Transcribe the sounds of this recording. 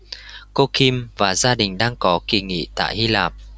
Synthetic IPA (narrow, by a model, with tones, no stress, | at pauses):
ko˧ki˧mvaː˨˩zaː˧ɗï˨˩ŋ̟ɗaː˧ŋkɔ˨˦ki˨˩ŋḭ˧˨t̪a̰ː˧˨jhi˧laː˨˩p̚